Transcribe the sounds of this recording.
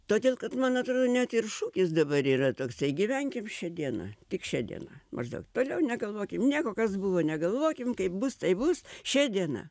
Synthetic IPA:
t̪oːd̪ʲeːlˠkɐt̪mɐnɐt̪ɾoːd̪onʲɛt̪ɪrʃuːkʲɪsd̪ɐbɐɾiːrɐt̪oːksɐɪɡʲiʋʲɛŋʲkʲɪmʃʲɛd̪ʲiɛnɐ̰t̪ʲɪkʃʲɛd̪ʲḭɛ̰nɐmɐ̰ʒd̪ɐ̰ʊkt̪oːlʲɛʊnʲɛɡɐlˠʋoːkʲɪmnʲiɛkoːkɐsbuʋoːnʲɛɡɐlˠʋoːkʲɪmkɐɪp̚bʊst̪ɐɪbʊsʃʲɛd̪ʲiɛnɐ̰

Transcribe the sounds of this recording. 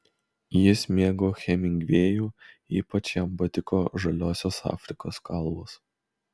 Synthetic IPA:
jɪsʲmʲeːɡoːxʲɛmʲɪŋʲɡʲʋʲeːjuː | ḭːpɐt͡ʃjɐmbɐt̪ʲɪkoːʒɐlʲoːsʲoːsɑ̰ːfʲɾʲɪkoːskʰɐlˠboːs

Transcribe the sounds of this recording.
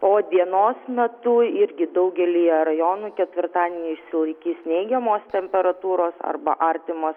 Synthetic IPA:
poːd̪ʲiɛnoːsmʲɛt̪ʊɪɾʲɡʲɪd̪ɐʊɡʲɛlʲijɛɾɐjoːnuːkʲɛt̪ʲʋʲɪɾt̪ɑːd̪ʲiɛnʲiːɪʃʲsʲɪlˠɐɪkʲiːsnʲɛɪɡʲɛmoːst̪ʲɛmʲpʲɛɾɐt̪uːɾoːsɐ̰rbɐ̰ʔɐɾʲt̪ʲɪmoːs

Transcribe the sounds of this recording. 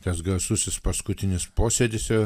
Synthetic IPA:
t̪ɐsɡɐsʊsʲɪspɐskʊt̪ʲɪnʲɪspoːsʲed̪ʲɪsjʲo

